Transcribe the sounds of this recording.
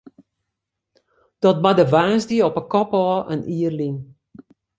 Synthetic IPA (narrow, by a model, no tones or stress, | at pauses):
d̥ɔt̚badəʋaːsdiəɔpəkɔpɔːʔə̰niərlin